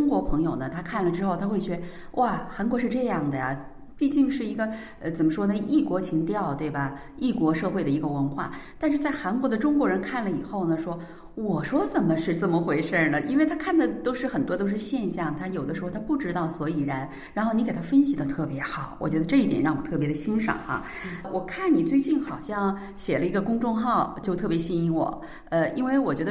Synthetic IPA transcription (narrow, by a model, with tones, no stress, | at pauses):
ʈ͡ʂʊ˥ŋkwɔ˧˥pʰɤ˧˥ŋjo˨˩ʊnə˦t̪ʰa˥kʰa˥˩nlə˩ʈ͡ʂɻ̩˥xo˥˩ʊt̪ʰa˥xwe˥˩ɪɕɥɛ˧˥ | wʔa˥˩xa˧˥nkwɔ˧˥ʂɻ̩˥˧ʈ͡ʂɤ˥˧jɑ˥˩ŋd̪ə˩ja˩ | pi˥˧t͡ɕi˥˧ŋʂɻ̩˥˩i˧˥ɡə˧ | ə˧t͡sə˨˩nmə˦ʂwɔ˥nə˧i˥˩kwɔ˧˥t͡ɕʰi˧˥ŋt̪jɑ˥˧ʊt̪we˥˩ɪbɐ˩ | i˥˩kwɔ˧˥ʂɤ˥˧xwe˥˩ɪd̪ə˩i˧˥ɡə˧wə˧˥nxwa̰˥˩t̪a˥˧nʂ̬ɻ̩˥˧t͡sa˥˩ɪxa˧˥nkwɔ˧˥d̪ə˧ʈ͡ʂʊ˥ŋkwɔ˧˥ɻə˧˥nkʰa˥˩nlə˩i˨˩xo˥˩ʊnə˩ʂwɔ˥ | wɔ˨˩ʂwɔ˥t͡sə˨˩nmə˦ʂɻ̩˥˧t͡sə˥˩mə˩xwe˧˥ɪʂə˥˧lə˩ʔi˥nwe˥˩ɪt̪ʰa˥kʰa˥˩nd̪ə˩t̪o˥ʊʂɻ̩˥˩xə˨˩nt̪wɔ˥t̪o˥ʊʂɻ̩˥˧ɕjɛ˥˧nɕjɑ˥˩ŋt̪ʰa˥jo˨˩ʊə˦ʂɻ̩˧˥xt̪ʰa˥pu˥˩ʈ͡ʂɻ̩˥t̪ɑ˥˩ʊswɔ˧˥i˨˩ɻa˧˥n | ɻa˧˥nxo˥˩ʊni˧˥k̪ʰa˥fə˥nɕi˨˩ə˧˩t̪ʰɤ˥˩pjɛ˧˥xɑ˨˩˦wɔ̰˨˩t͡ɕɥɛ˧˥d̪ə˧ʈ͡ʂɤ˥˧i˥˩jɛ̰˨˩nɻɑ˥˩ŋwɔ˨˩t̪ʰɤ˥˩p̬jɛ˧˥d̪ə˧ɕi˥nʂɑ̰˨˩ŋxa̰˧ | wɔ˨˩kʰa˥˩nni˨˩t͡swe˥˧ɪt͡ɕi˥˩nxɑ˨˩ʊɕjɑ˥˧ŋ | ɕjɛ˨˩lə˦i˧˥ɡə˧kʊ˥ŋʈ͡ʂʊ˥˧ŋxɑ˥˧ʊt͡ɕjo˥˧ʊt̪ʰɤ˥˩pjɛ˧˥ɕi˥ni˧˥ŋwɔ̰˨˩˦ | ə˧i˥nwe˥˩ɪwɔ˨˩t͡ɕɥɛ˧˥d̪ə˧